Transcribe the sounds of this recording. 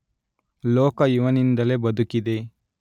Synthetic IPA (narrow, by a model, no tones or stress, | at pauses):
loːkɐjuʋɐnind̪ɐle̞bɐd̪ukid̪e